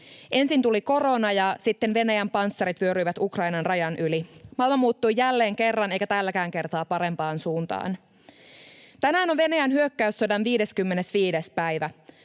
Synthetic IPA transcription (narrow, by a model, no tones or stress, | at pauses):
ʔe̞nsint̪uliko̞ro̞nɑjɑsit̪ːenʋe̞næjæmpɑnsːɑɾit̪ʋyøɾyiʋæt̪ukrɑinɑnrɑjɑnʔylimɑlmɑmuːt̪ːujjælːe̞ːŋke̞rːɑne̞jkæt̪ælːækæːŋke̞rt̪ɑːpɑɾe̞mpɑːnsuːnt̪ɑ̰ːn | t̪ænæːno̞nʋe̞næjænɦyøkːæysːo̞dɑnʋiːde̞skymːe̞nesʋiːdespæjʋæ